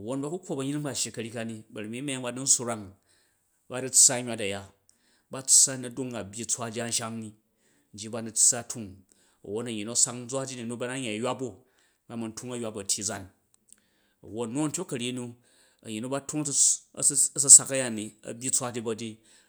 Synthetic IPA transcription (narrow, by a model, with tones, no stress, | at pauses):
ɐ˨wo˦nba˦ku˦kʰʷo˦bɐ˧ɲi˦i˦ŋba˦˨ʃi˨kɐ˧ɾʲi˦ka˧ni˧bɐ˨ɾi˨mi˦me˦a˦ŋba˧nu˦n̩˦su˦˧ɾa˦ŋ | ba˦di˦t͡sːa˦ɲʲʷ˨a˧ta˨ja˦ | ba˦t͡sːa˦nu˨du˦ŋa˨bʲji˧t͡sʷa˦d͡ʒa˦n̩˦ʃa˦ŋni˨ | n̩˨d͡ʒi˦ba˧nu˧t͡sːa˦tʰu˦ŋ | ɐ̰˨wo˦nɐ˨ji˨no˦sa˦kn̩˦d͡zʷa˦d͡ʒi˦ni˨nu˦ba˧na˦ɲa˨jjʷa˦bo˦ | ba˨˦mu˨ntʰu˦ŋɐ˦jwa˦bɐ˨tʰʲi˨˦d͡za˦n | ɐ̰˨wo˦tnːu˦n̩˦tʲo˦kɐ˨ɾʲi˦nu˧ | ɐ̰˨ji˨nu˦ba˦tʰu˦ŋ˦˨˦ | ɐ˦sɐ˧sa˧kɐ˦ja˦˨ni˨ɐ̰˨bʲi˦t͡sʷa˦d͡ʒi˦bɐ˧di˦